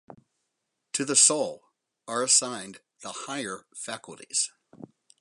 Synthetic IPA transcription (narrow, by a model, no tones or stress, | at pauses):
tʰɨðəsoʊlˠ | ə˞əsãɪ̃n | ðəhaɪə˞fækl̩ˠtḭz̥